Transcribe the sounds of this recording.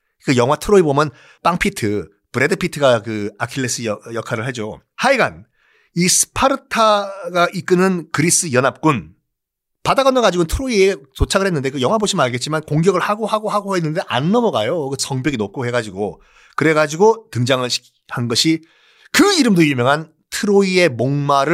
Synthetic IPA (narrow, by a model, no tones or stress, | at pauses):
kɯjʌŋɦwatʰɯɾoibomjʌn | p͈aŋpʰitʰɯ | pɯɾe̞dɯpʰitʰɯɡakɯakʰiɭːes͈ɯjjʌkʰaɾɯɭɦe̞d͡ʑo | haiɡa̰n | isʰɯ̥pʰaɾɯtʰaɡaʔik͈ɯnɯnkɯɾis͈ɯjʌnap̚k͈un | padaɡʌnɯɭɡad͡ʑiɡontʰɯɾoiet͡ɕot͡ɕʰaɡɯɭhe̞nːɯnde̞kɯjʌŋwaboɕʰimɯnaɭɡe̞t̚t͡ɕ͈imankoŋɡjʌɡɯɭhaɡohaɡoɦaɡoɦenːɯnde̞ʔa̰nːʌmʌɡajokɯsʌŋbjʌɡinop̚kʰoɦe̞ɡad͡ʑiɡo | kɯɾe̞ɡad͡ʑiɡotɯŋd͡ʑaŋɯɭɕʰi̥ | hanɡʌɕʰi | kɯiɾɯmdoiɭmjʌŋɦan | tʰɯɾoie̞moŋmaɾɯ